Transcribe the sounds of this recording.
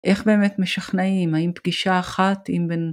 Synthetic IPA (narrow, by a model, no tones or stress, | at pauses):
ʔe̞χbe̞ːmetmeʃaχnaimhaimpɡiʃaːχatimben